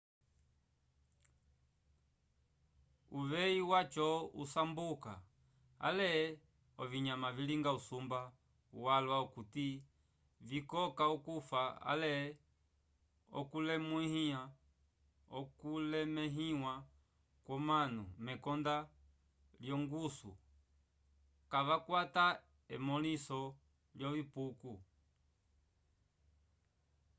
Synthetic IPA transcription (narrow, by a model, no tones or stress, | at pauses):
uʋɛiwat͡ʃɔusambuka̰ | a̰lɛ | ɔviɲamaviliŋɡausumba | uwalwaukuti | vikɔkaɔkufaa̰lɛ | ɔ̰kulɛmuihia | ɔkulɛmɛɦiwa | kwɔmanumɛkɔnda | ljɔŋɡusṵ | kavakwata | ɛmɔlisɔ | ljɔvipuku